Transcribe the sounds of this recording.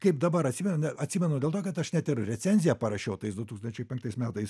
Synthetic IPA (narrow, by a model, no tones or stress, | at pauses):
kɐɪpd̪ɐbɐɾɐt̪ʲsʲimʲɛnnʲɛɐt̪ʲsʲiːmʲɛnʊdʲeːlˠt̪oːkɐt̪ɐʃnʲæt̪ɪɾrʲɛt͡sʲɛnʲzʲɪjɛpɐɾɐʃʲɛʊt̪ɐɪsd̪ʊt̪uːkst̪ɐnʲt͡ʃʲɛɪpʲɛŋkt̪ɐɪsmʲæːt̪ɐɪs